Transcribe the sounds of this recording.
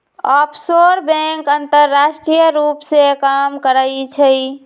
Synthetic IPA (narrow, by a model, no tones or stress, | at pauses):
ɔpʰsoɾbẽŋkənt̪əɾːaʃʈɾijəɾupsekamkəɾəjt͡ʃʰəj